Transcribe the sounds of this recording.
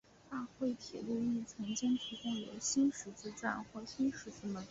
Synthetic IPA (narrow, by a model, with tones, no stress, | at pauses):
a˥˧xwe˥˩ɪt̪ʰɛ̰˨˩lu˥˧i˥˩t͡sʰɤ˧˥ŋt͡ɕi˥ŋt̪ʰi˧˥kʊ˥ŋjo˧˥ʊɕi˥nʂɻ̩˧˥t͡sɹ̩˥˧ʈ͡ʂwa˥˧nxwɔ˥˩ɕi˥nʂɻ̩˧˥t͡sɹ̩˥˩mə˧˥n